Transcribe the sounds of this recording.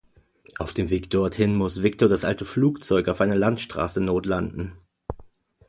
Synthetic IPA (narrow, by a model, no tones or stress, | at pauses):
ʔaʊfd̥eːmveːkd̥ɔɐthɪnmʊsv̥ɪk̚toːɐdasʔaltəfluːkt͡sɔʏkaʊfʔaɪnɐlantʃtʁ̥a̰ːsənoːtlandn̩